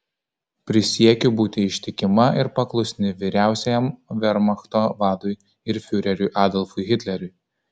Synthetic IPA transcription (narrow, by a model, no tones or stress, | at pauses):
pʲɾʲɪsʲiɛkʲʊbuːt̪ʲɪɪʃʲt̪ʲɪkʲɪmɐɪɾpɐklˠʊsʲnʲɪʋʲiːɾʲæˑʊsʲɛjɛmʋʲɛɾmɐxt̪oːʋɑːd̪ʊj | ɪɾfʲʊɾʲɛɾʲʊjʔɑːd̪ɔlˠfʊɪɣʲɪt̪ʲlʲɛɾʲʊj